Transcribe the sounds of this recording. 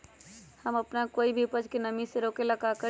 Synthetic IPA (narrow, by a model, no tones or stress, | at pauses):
həməpnakoːibʱipəd͡ʒkenəmiseɾokeləkakə